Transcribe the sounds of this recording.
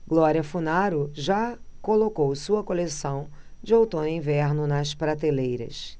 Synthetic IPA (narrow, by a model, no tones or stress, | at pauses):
ɡlɔɾiɐfunaɾʊʒakolokowsuɐkolesɐ̃w̃ | d͡ʒɪowt̪õnẽvɛɾnʊnɐspɾat̪elejɾɐ̰s